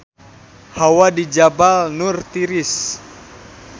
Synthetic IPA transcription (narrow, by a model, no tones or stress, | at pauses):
hawadid͡ʒabalnurt̪iɾis